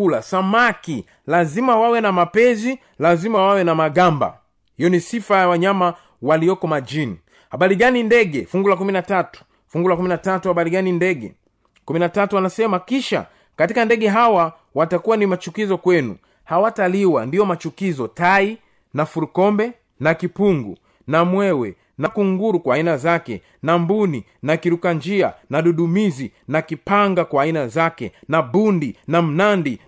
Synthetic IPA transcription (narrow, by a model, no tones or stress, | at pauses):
ulasamaki | lazimawawɛnamapɛzi | lazimawawɛnamaɠamba̰ | hijɔnisifajawaɲama | waliɔkɔmad͡ʒini | haɓaɾiɡanindɛɡɛfuŋɡulakuminatatu̥ | fuŋɡulakuminatatuhaɓaɾiɡanindɛɡɛ̰ | kuminatatuwanasɛmakiʃa̰ | katikandɛɠɛɦawa | watakuwanimat͡ʃukizɔkwɛnṵ | hawataliwa̰ndiɔmat͡ʃukizɔtai | nafuɾukɔmbɛ | nakipuŋɡṵ | namwɛwɛ | nakuŋɡuɾukwaːinazakɛ̰ | nambuninakiɾukaɲd͡ʒianaɗuɗumizinakipaŋɡakwaːinazakɛ̰naɓundinam̩nandi